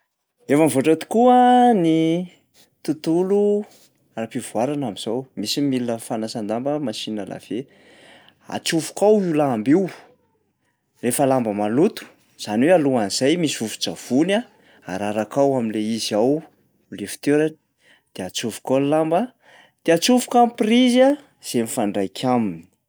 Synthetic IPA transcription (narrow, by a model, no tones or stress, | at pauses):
efamvoʈ͡ʂat̪i̥kuəni | t̪ut̪ulu | rapivuaɾanamiz̥owmisimilinəfanasand̪ambəmasinəla̰v̥e | a̰t͡suvu̥kawulambiw | refalambəmalut̪u̥ | z̥anwealuaniz̥ajmisiufu̥d͡ʒav̥una | a̰ɾaɾakawaminleiziaw | lefi̥t̪eɾan | d̪̥eat͡suvu̥kalambə | d̪̥eat͡suvu̥kampriza | z̥emifaɳɖ͡ʐajkʰamini̥i̥